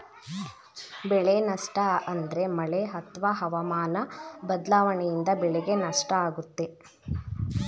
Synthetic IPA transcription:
bɛɭenɐʂʈɐɐnd̪ɐɾe̞mɐɭeɦɐt̪ʋɐɦɐʋɐmaːnɐbɐd̪laːʋɐɳɛjind̪ɐbɛɭɛɡe̞nɐʂʈɐaːɡut̪ːe

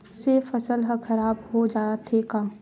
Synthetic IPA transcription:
sefɐsəlɦɐxʰɐɾaːbhod͡ʒaːat̪ʰekaː

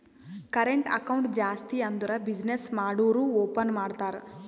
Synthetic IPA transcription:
kɐɾeɳʈɐ̰kɐwuɳʈd͡ʒaːst̪iɐnd̪uɾɐbid͡ʒnesmaːɽuːɾuːoːpɐnmaːɖt̪aːɾ

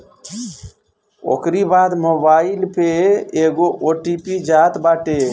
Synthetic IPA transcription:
o̰ːkɾibaːd̪moːbaːɪlpʰeeːɡoʔoːʈipid͡ʒaːt̪baːʈe

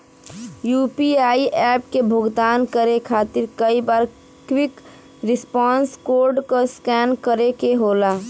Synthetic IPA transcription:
jupiaːiʔɛːp̚kebʱoɡd̪aːnkəɾekʰaːt̪ɪɾkəibaːɾ | kwik | ɾɪspɔːnskoːɾɖkoskɛnkəɾekeɦola

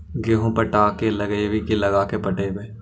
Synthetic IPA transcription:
ɡeːɦõpəɾʈaːkeləɡeʋikilɐɡaːkepəʈebeː

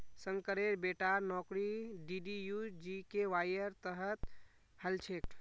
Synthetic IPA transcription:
sə̃ŋkəɾeɾbeʈaɾnɔkɾiɖiɖijud͡ʒikeʋajəɾt̪əɦət̪ | həlt͡ʃʰekʈ

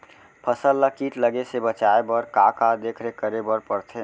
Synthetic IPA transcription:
pʰəsəlːəkiʈləɡesebət͡ʃaebəɾkakad̪ekʰɾekəɾebəɾpəɾt̪ʰe

